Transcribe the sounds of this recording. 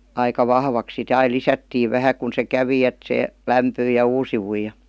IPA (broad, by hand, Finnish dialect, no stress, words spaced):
ɑikɑ ʋɑhʋɑks sit ɑi lisætːiː ʋæhæ kun se kæʋi et se læmpyij jɑ uːsiʋuij jɑ